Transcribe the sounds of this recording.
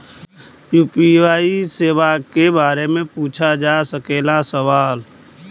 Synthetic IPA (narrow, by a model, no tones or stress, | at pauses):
juːpiaːiseːʋakebaːɾemẽpuːt͡ʃʰad͡ʒasəkeːlasəʋaːl